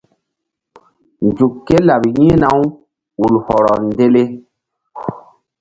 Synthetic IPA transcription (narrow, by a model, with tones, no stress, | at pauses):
nd͡ʒu˨kːe˦la˨bjĩ˦na˨˦w | u˨lhɔ˨ɾɔ˨nde˦le˦